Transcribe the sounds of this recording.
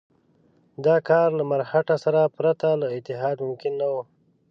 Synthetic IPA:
d̪ɑkɑɾlamaɾhaʈasaɾapɾat̪alaɪt̪ɪɦɑd̪mʊmkɪnːawu

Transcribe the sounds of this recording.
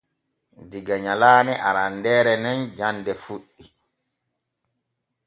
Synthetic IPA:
diɡaɲalaːnɛʔaɾandɛːɾɛnɛnd͡ʒandɛfuɗːi

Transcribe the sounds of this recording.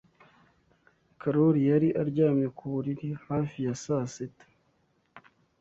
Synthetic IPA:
kʰaɾoɾijaɾiʔaɾɟaːmɲekuβuɾiɾihaːfijasaːsetḁ

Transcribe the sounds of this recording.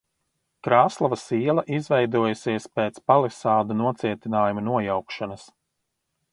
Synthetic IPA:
kɾaːslˠavɐsiɛlˠɐʔizvɛjd̪uɔjusiɛspeːt̪spalˠɛsaːd̪unuɔt̪siɛt̪inaːjumunuɔjawkʃanɐs

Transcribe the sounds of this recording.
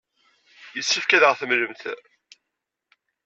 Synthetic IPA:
jəsːifkæðʁəθəmləmt̪

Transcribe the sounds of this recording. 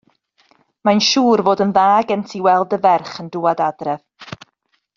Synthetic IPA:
manʃuːrvoːdənðaːɡɛntʰiwɛlˠdəvɛrχəndʊːadadrɛv̥

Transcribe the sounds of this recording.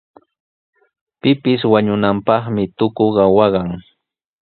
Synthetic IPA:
pɪpɪswaɲʊnampɑχmɪt̪ʊkoɢɑwɑɢɑŋ

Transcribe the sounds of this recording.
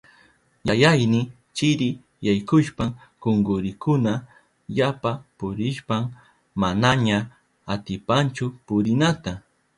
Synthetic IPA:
jajajnɪ | t͡ʃɪɾɪ | jajkʊʃpa | koŋɡʊɾɪkʰʊna | japapʊɾɪʃpam | manaɲa | at̪ɪpant͡ʃʊpʊɾɪnat̪a

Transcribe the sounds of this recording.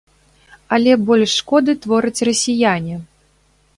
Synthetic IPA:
ɐlʲɛbɔlʲʂːkɔd̪ɨt̪vɔɾɨt͡sʲrɐsʲijanʲi

